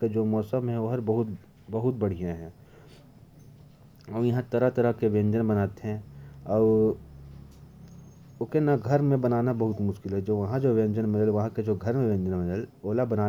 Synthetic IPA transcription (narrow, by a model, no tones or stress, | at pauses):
ked͡ʒoːmɔːsəmɦɛ̃ʋoɦɐɾbɐɦʊt̪ | bɐɦʊt̪̚bɐɽ̤ijãɦɛ̃ː | ɔːjɐɦãt̪ɐɾat̪ɐɾakeʋẽːnd͡ʒənbɐnaːt̪eɦɛ̃ɔːɾ | okenaɡʱɐɾmẽbɐnaːnabɐɦʊt̪mʊʃkɪlɦɛd͡ʒoːʋɐɦãd͡ʒoːʋẽːɲd͡ʒənmɪdəlʋɐɦãked͡ʒoːɡʱɐɾmẽʋẽːnd͡ʒənmɪdəloːlabɐnaː